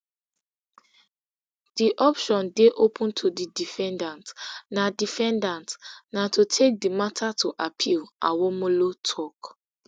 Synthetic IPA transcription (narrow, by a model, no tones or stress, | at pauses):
d̥iʔɔpʃɔ̃ndeʔopʰũntʰudidifɛ̃ndãntnadifɛ̃ndãntnatutʰek̚dimatʰatʰuʔapʰilʔa̰wɔmolotʰɔk